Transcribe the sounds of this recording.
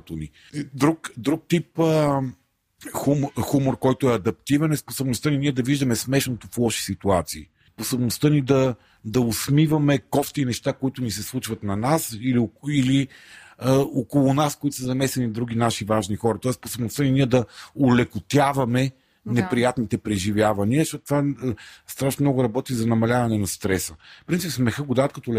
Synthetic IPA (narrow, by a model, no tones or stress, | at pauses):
t̪oni | d̪ɾukd̪ɾuk̚t̪ip | xumxumoɾkɔjt̪ʊɛɐd̪ɐp̚t̪ivɛnɛsposobnost̪əniniɛd̪ɐviʒd̪ɐmɛsmɛʃnot̪oflˠɔʃi̥sit̪uat̪siː | sposobnost̪ənid̪ɐ | d̪ɐosmivɐmɛkɔft̪inɛʃt̪akoit̪ʊnisɛslˠut͡ʃvɐt̪nɐnasiliiliəokolˠʊnaskoit̪ʊ̥səzɐmɛsɛnid̪ɾuɡ̟inaʃivaʒnixɔɾɐt̪ɔɛsposobnost̪əniniɛd̪ɐolɛkʊt̪ʲavɐmɛ | nɛpɾijat̪nit̪ɛpɾɛʒivʲjavɐniəɛʃɔt̪t̪vast̪ɾaʃnmnɔɡʊɾɐbɔt̪izɐnɐmɐlʲavɐnɛnɐst̪ɾɛsəfpɾint̪ipsmɛxəɡʊd̪aət̪̚kɐt̪ɔlɛ